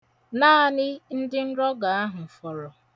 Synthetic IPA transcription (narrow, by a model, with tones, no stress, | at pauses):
naː˦a˨nɪ˦n̩˦dɪ˦n̩˦ɾɔ˦ɡa˨a˦ɦʊ˨m̩˨fɔ˨ɾɔ˨